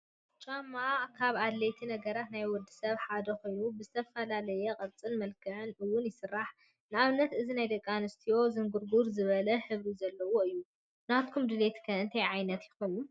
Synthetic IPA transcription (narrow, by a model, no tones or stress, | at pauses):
t͡ʃʼamːakʰaβad̪let̪ʰinɐɡɐɾat̪najwɔd̪ɨsɐβħad̪ɐko̞jnubɨzɨt̪ʰɐfɐlalɐjɛkʼɐɾt͡sʼɨnmɐlkʰɨʕɨnʔɨwːʊnjɪsɨrːaħ | nɨaβnːɐt̪ɨzinajd̪ɐkʼːanɨst̪ʰijo̞zɨŋɡuɾɡuɾzɨβɐlɐħɨβɾizɐlːɐwo̞ɨjːu | nat̪̚kʰumd̪ɨlet̪kʰɐɨnt̪ʰɐjʕajnɐt̪jɪxonu